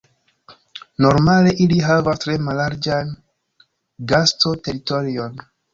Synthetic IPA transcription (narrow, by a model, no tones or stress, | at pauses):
no̞ɾmale̞ʔiliɦavastɾe̞malːaɾd͡ʒan | ɡasto̞te̞ɾitoɾio̞n